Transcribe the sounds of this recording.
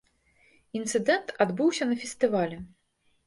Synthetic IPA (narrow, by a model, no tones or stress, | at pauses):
int̪sɨd̪ɛnt̪ad̪bɨwsʲɐnɐfʲɛsʲt̪ɨvalʲɛ